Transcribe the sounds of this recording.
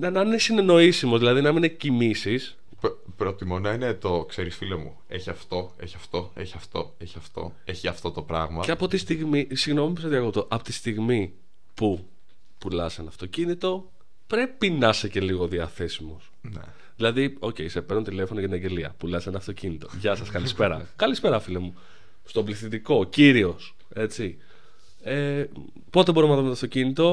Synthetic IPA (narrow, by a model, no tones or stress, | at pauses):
nɐnɐnesine̞no̞isimo̞zðilɐðinɐmininecimisis | pɾot̪imonɐinet̪o̞kseɾisfilomṵ | eçiɐft̪o̞ḛçiɐft̪o̞eçiɐft̪o̞eçiɐft̪o̞̰ | eçiɐft̪o̞t̪opɾɐɣmɐeɐpo̞t̪ist̪iɣmisiɣno̞mipistoðiɐkop̚t̪o̞ʔɐpot̪i̥st̪iɣmi | pu | pulɐsɐnɐft̪o̞cinit̪o̞ | pɾe̞pinɐse̞ce̞liɣo̞ðiɐθe̞simo̞s | n | ðilɐðio̞ce̞isepe̞ɾnunt̪ile̞fo̞noʝɐt̪ineɲɟe̞liɐ̰pulɐsenɐft̪o̞cinit̪o̞ʝɐsɐskɐlispe̞ɾɐ̰kɐlispe̞ɾɐfilemu | st̪obliθit̪iko̞ciɾio̞s | e̞t͡si | e | po̞t̪ebo̞ɾimnɐðomet̪oɐft̪o̞cinit̪o̞